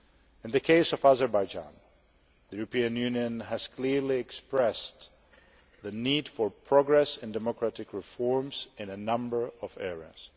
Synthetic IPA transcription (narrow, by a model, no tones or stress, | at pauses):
ɨ̃nðɨkʰeɪsʌvazə˞baɪd͡ʒã̰n | ðijʉɹəpĩɨ̃njʉnjɨ̃næz̥kʰl̥ɪɹliɛkspɹɛs | ðɨnid̥fə˞pʰɹ̥ɑɡɹɛsɨ̃ndɛmɔkʰɹaɾɨkɹɨfɔɹmz̥ɨ̃nɨnʌ̃mbə˞ʌvɛɹə̰z̥